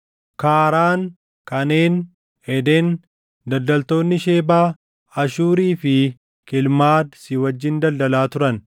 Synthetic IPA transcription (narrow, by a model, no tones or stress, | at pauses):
kaːɾaːn | kɐne̞ːn | ɛd̪en | d̪ɐld̪ɐlt̪o̞ːnːɪʃe̞ːbaː | ɐʃuːɾiːfɪ | kɪlmaːd̪sɪwɐd͡ʒːɪnd̪ɐld̪ɐlaːt̪ʊɾɐn